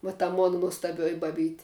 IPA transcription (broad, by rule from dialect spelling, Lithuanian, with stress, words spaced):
ʋɐ tɐ ˈmoːnɐ nuɔstɐˈbʲoːjɪ bɐˈbʲiːtʲɪ